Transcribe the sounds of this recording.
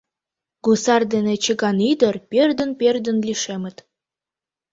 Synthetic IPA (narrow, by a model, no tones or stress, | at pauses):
ɡusɑrd̪enet͡ɕə̆ɡɑnid̪ə̆rperd̪ə̆nperd̪ə̆nlʲiʃemə̆t̪